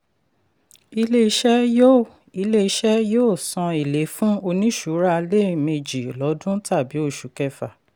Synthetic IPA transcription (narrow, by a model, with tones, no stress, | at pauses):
i˧le˦i˦ʃɛ˦jo˦ | i˧le˦i˧˦ʃɛ˦joː˦˨sɔ̃˧i˨le˨˦fũ˦o˧nĩ˦ʃu˨˦ɾa˦˧le˦˨me˧d͡ʒi˨lɔ˨˦dũ˦ta˦˨bi˨˦o˦˨ʃu˨kɛ˧fa˨